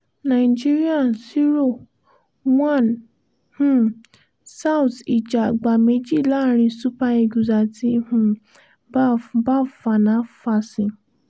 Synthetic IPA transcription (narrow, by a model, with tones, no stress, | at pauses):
nã˨i˨d͡ʒi˦ɾi˦a˦˨si˦ɾo˦˨ | wã˦˨n | hũ˦ | sa˦wti˨d͡ʒa˨ɡ͡ba˨me˨˦d͡ʒi˦˨la˦˨ɾ̃ĩ˧su˦pa˧e˧˨ɡu˨za˨ti˧˦hũ˧˦ | ba˦˨fa˧˨nã˨˦fa˧sĩ˧